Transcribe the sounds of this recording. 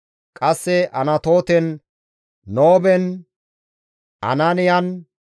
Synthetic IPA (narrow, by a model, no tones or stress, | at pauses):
kʼɐsːɛʔɐnɐt̪o̞ːt̪ɛnː | oːbɛn | ʔɐ̰nanɪjɐn